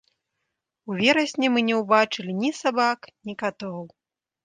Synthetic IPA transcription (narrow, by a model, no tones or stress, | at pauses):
uvʲɛɾɐsʲnʲɛmɨnʲɛwbat͡ʂɨlʲinʲisabaknʲikat̪ɔw